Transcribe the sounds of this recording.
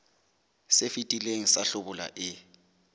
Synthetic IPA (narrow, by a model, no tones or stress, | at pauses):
sefitʼileŋ̩saɬʊbʊla̰ʔɪ